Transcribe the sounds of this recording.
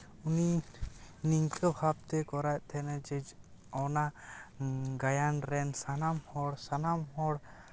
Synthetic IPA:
uni | niŋkʰʼəbʱab̚t̪ɛkɔɾac̚t̪ʰɛnɛd͡ʒəd͡ʒɔna | ɡajanɾɛnsanamhɔɽsanamɦɔɽ

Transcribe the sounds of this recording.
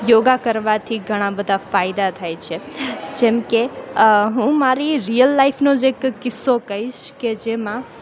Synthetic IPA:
joɡakəɾʋat̪ʰiɡʱəɽ̃ãbəd̪ʱafajd̪at̪ʰajt͡ʃʰed͡ʒɛmkeɦũmaɾiɾijəlːaipʰnod͡ʒekkɪsːokəɦiʃked͡ʒemã

